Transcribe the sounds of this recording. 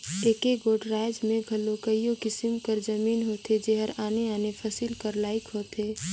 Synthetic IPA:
eːkeɡoːɖɾaːɪd͡ʒmẽɡʱɐlokəijõkɪsɪmkəɾd͡ʒɐmiːnɦoːt̪ed͡ʒeːɦəɾaːneaːnefʰɐsɪlkəɾlaːɪkɦoːt̪eː

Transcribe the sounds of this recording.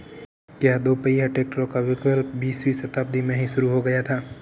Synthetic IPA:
kjaːd̪oːpəiɦaʈeːk̚ʈəɾõkaʋɪkəlbiːswisɐt̪aːp̚d̪imẽɦĩʃʊɾuɦoɡɐjat̪ʰaː

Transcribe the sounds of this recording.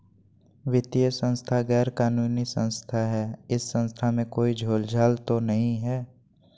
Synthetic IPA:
ʋɪt̪ijəsə̃nst̪ʰaɡɛːɾkaːnuːnisə̃nst̪ʰaɦɛɪsːə̃nst̪ʰamẽkoːid͡ʒʱoːld͡ʒʱaːlt̪onəɦĩɦɛː

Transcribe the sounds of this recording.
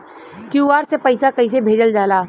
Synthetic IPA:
kuːʋaːɾsepəɪsakɐɪs̬ebʱeːd͡ʒəld͡ʒaːlaː

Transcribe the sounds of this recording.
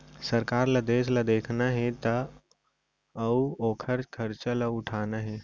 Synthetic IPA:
səɾkaːɾlad̪eːslad̪eːkʰnaɦɛ̃t̪ɐ | ɐuoːkʰəɾkʰəɾt͡ʃalaʊʈʰaːnaɦɛ

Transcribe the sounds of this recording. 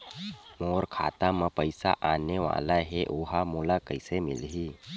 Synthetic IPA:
moːɾkʰa̰ːt̪aməpəjsa̰ʔaːneʋa̰ːlaɦeʔoɦamuːlakəɪsemɪ̰lɦiː

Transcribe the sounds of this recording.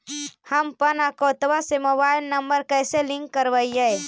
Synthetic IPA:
həmpənakot̪ʋasemobajlnəmbəɾkəjselĩŋkːəɾʋəiəj

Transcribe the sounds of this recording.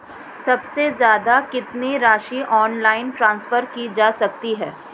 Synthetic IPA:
sɐbsezjaːd̪akɪt̪niɾaːʃiʔɔːnlaːɪnʈɾãːnsfəɾkid͡ʒaːsɐk̚t̪iɦɛː

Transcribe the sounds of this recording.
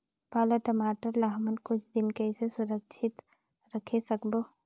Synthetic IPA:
paːləʈəmaːʈəɾlaɦmənkʊt͡ʃʰd̪ɪnkəisesʊɾəkʃʰɪt̪ | ɾəkʰesəkboː

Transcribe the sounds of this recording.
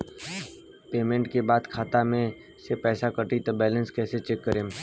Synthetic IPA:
peːmẽɳʈkebaːd̪kʰaːt̪amẽ | sepɛːsakəʈit̪obɛːlə̃nskɛːset͡ʃeːkːəɾẽːm

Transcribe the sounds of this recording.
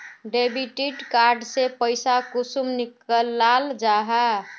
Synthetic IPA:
ɖebiʈiʈkaɾɖsepəɪsakusumnikəlːald͡ʒaɦa

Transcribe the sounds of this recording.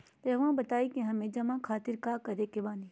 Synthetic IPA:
t̪eɦʊãbɐt̪aːikẽɦɐmẽd͡ʒɐmãkʰaːt̪ɪɾkaːkɐɾeːkebãːni

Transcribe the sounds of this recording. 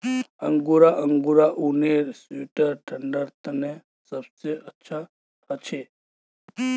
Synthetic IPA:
ə̰ŋɡuɾaʔəŋɡuɾaʔuneɾsuʈəɾʈʰəɳɖəɾt̪əne | səbseʔətːʃʰa | ət͡ʃʰe

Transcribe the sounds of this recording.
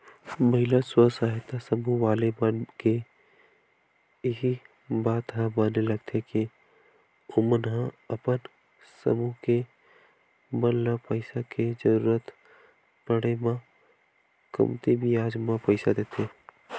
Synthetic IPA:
məɦɪlaswəsaːɦɪt̪asəmuɦʋaːlemanke | ɦi | baːt̪ɦãbaːnelɐɡ̚t̪ʰeke | ʊmənɦãɐpən | sə̰muɦke | mənlapəɪsaked͡ʒəɾuːɾət̪ | pəɽemã | kə̰mt̪ibʱiaːd͡ʒmãpəɪsad̪eːt̪ʰeː

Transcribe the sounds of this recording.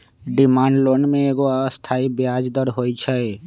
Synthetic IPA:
ɖɪmaːɳɖloːnmẽeːɡost̪ʰaːibjaːd͡ʒd̪əɾɦoːit͡ʃʰɛ

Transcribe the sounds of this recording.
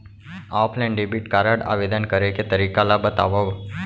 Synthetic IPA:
apʰlɛ̃ɳɖibiʈkaɾaɽa̰ʋed̪ənkəɾeket̪əɾikalabət̪a̰ʋaʋ

